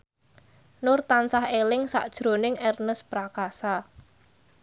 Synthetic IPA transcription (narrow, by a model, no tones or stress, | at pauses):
nʊrt̪ansahelɪŋsa̰ʔd̥ʒ̥ɾo̤nɪŋɛrnəspɾakasa